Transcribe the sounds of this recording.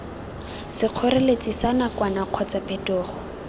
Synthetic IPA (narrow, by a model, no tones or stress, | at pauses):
sɪq͡χʰɔɾelet͡sisanakwanaq͡χʰɔt͡sapʼɛtɔːχɔ̥